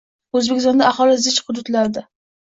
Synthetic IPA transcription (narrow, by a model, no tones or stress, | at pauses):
ɵzbekʲɪst̪ɔnd̪aaχɒlˠɪzɪt͡ʃχʊd̪ʊt̪laɾd̪a